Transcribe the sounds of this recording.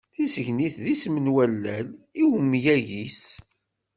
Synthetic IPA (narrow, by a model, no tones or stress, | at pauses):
θisəʝniθðismənwælːæ̰liwəmːjæʝis